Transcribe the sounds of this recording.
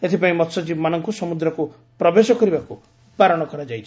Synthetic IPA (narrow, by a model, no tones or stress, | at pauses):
et̪ʰipaĩmɔt̪sɔt͡ʃibɔmanɔŋkusɔmud̪ɾɔku | pɾɔbesɔkɔɾibaku | paɾɔɽ̃ɔkɔɾad͡ʒajt͡ʃʰi̥